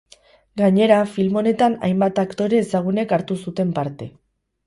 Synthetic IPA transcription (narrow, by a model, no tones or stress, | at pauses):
ɡaɲe̞ɾafilmo̞ne̞t̪ana̰jmbat̪akt̪o̞ɾe̞ːsaɣ̞une̞kaɾt̪usut̪e̞mpaɾt̪e̞